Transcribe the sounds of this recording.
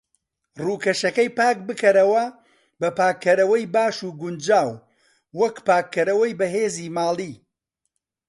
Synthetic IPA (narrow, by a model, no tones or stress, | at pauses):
ruːkɐʃɐkɐjpaːk̚bɨkʰɐɾɐwɐ | bɐpaːkʰːɐɾɐwɐjbaːʃuːɡʊnd͡ʒaːwː | ɐkpaːkʰːɐɾɐwɐjbɐɦeːziːmaːlˠiː